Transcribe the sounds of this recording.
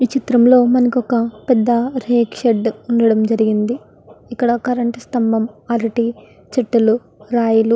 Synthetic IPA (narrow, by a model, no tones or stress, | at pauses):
ʋit͡ʃit̪ɾɐmlo̞ːmɐnɐkɔkɐpɛd̪ːɐɾeːkʂeɖuɳɖɐɽɐmd͡ʒɐɾiɡind̪i | ikːɐɽɐkɐɾɐɳʈɐst̪ɐmbʱɐmɐleʈi | t͡ʃɐʈːulu | ɾaːjulu